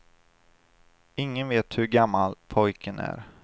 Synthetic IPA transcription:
ɪŋːənveːt̪hɵɾɡamːalpʰɔjkʰənæ̰ɾ

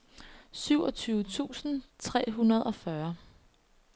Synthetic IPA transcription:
syʊɒ̽t͡sʰyːʊət͡sʰṵːsn̩t͡sʰʁɛ̰ːɦunɐð̞ˠɒ̽fɶɐ

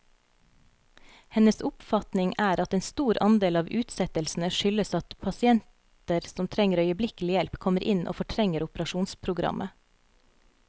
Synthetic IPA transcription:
hɛnəsʊpfɑt̪nɪŋæːɾɑt̪eːnst̪uːɾɑ̰nd̪eːlɑːʋʉːt̪sɛt̪əlsn̩əʃʏləsɑt̪pʰɑsɪɛnt̪əɾsɔmt̪ʰɾɛŋəɾœʏəblɪkəl̩ɪjɛlpkʰɔməɾʔɪnʔo̰ːfɔʈʰɾɛŋəɾʊpɾɑʃuːnspʰɾʊɡɾɑ̰mʔə

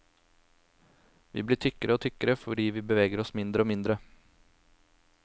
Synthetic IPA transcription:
ʋḭːbliːʈʰʏkəɾəoːt̪ʰʏkəɾəfɔɖiːʋiːbəʋeːɡəɾɔsmɪnd̪ɾəoːmɪnd̪ɾə

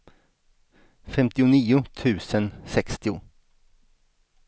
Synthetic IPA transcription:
fɛmt̪ɪʊniːʊt̪ʰʉ̟ːsənsɛkst̪ɪʊ

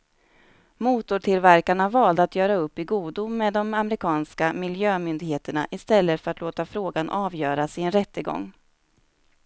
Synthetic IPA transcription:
muːt̪ʊʈʰɪlvæɾkaɳavɑːld̪əat̪ʰjœːɾaɵpːɪɡuːd̪ʊːed̪ɔmamɛɾɪkʰɑːnskamɪljøːmʏnd̪ɪɡheːt̪əɳa̰ʔɪst̪ɛlːət̪fœɾat̪loːt̪afɾoːɡanʔɑːvjœːɾasɪnɾɛt̪ːəɡɔ̰ŋː

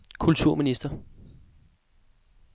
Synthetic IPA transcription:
kʰult͡sʰuɐ̰minisd̥ɐ

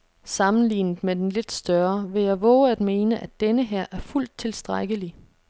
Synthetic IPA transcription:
sɑ̈mn̩lḭːnð̩ˠmed̥enle̝d̥sd̥ɶɐʋe̝jɑ̈ɪʋɔːʊæd̥me̝ːnəʔæd̥enəɦæɐ̰ʔæɐful̰d̥̚t͡sʰe̝lsd̥ʁaɡ̥əli

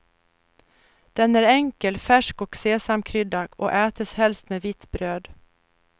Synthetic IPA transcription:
d̪̥ɛnæːɾɛŋkəlfæʂkɔkseːsamkʰɾʏd̪ːaɡɔ̰ʔɛːt̪əshɛlst̪meːvɪt̪ːbɾøːd̪

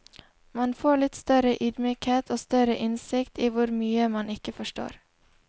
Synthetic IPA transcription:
mɑnfoːɭɪt̪st̪œɾəʔʏd̪myːkheːt̪ʰoːst̪œɾəʔɪnsɪkt̪iːʋʊɾmyːəmɑnɪkəfɔʃʈo̰ːɾ

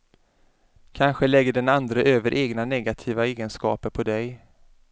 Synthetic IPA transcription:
kʰanɧəlɛɡːəɖɛnand̪ɾəʔøːvəɾʔeːɡnanɛɡat̪ʰiːvaeːɡənskɑːpəɾpʰɔd̪ɛj

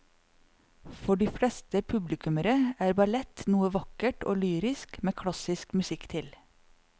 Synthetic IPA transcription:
fɔɖiːfɽɛst̪əpʰʉblɪkʉməɾəæːɾbɑlɛt̪nuːəʋɑkəʈʔo̰ːlyːɾɪskmeːkʰɽɑsɪskmʉsɪkt̪ʰɪl

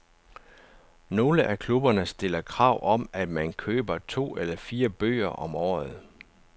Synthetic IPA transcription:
no̝ːləʔækʰlub̥ɐnəsd̥e̝lɐkʰʁɑ̈ʊ̰ʔɒ̽m̰æd̥mænkʰøːb̥ɐt͡sʰo̝̰ːelɐfiːɐb̥ø̰ːɐʔɒ̽mɒ̰ːð̞̩ˠ

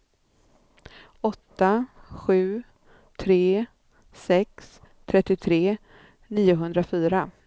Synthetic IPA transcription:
ɔt̪ːaɧʉ̟ː | t̪ʰɾeː | sɛks | t̪ʰɾɛt̪ːɪt̪ʰɾeː | niːʊɦɵnd̪ɾafyːɾa

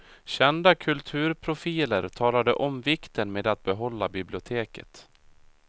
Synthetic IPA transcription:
ɕɛnd̪akʰɵlt̪ʰʉ̟ːɾpʰɾʊfiːləɾt̪ʰɑːlad̪əʔɔmvɪkt̪ənmeːd̪at̪̚bɛɦɔlːabɪblɪʊt̪ʰeːkət̪

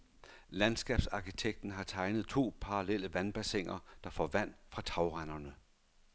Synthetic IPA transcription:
lænsɡ̥ɛb̥sɑ̈kʰit͡sʰeɡ̥̚d̥n̩ɦɑ̈t͡sʰɑ̈ɪnð̞̩ˠt͡sʰo̝̰ːpʰɑ̈ʁɑlel̰əʋænb̥æseŋ̰ɐd̥ɑ̈fɒʋæn̰d̥fʁɑ̈t͡sʰɑ̈ʊʁɑnɐnə

